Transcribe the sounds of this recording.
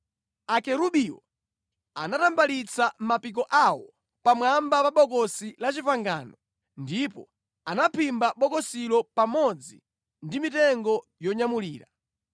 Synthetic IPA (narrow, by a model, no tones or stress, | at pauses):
akɛɾuɓiwɔ̰ | a̰natambalit͡sʰam̩mapik̬ɔʔawɔ | pamwambapaɓɔk̬ɔsilat͡ʃipaŋɡa̰ːnɔ | ndipɔ | anapʰimbaɓɔkɔsilɔpamɔd͡zḭ | ndimitɛŋɡɔ | jɔɲamuliːɾa